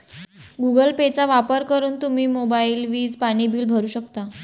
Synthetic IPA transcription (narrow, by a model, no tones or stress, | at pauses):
ɡuɡəlpet͡saʋapəɾkəɾuːnt̪um̤iːmobailʋiːd͡zpaɽ̃ibiːlbʱəɾuːɕəkt̪a